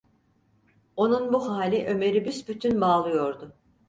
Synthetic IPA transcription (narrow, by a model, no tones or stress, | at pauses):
o̞nunbuhaːlʲiʔø̞me̞ɾibysbyt̪ʰynbaːlˠɯjo̞ɾd̪ʊ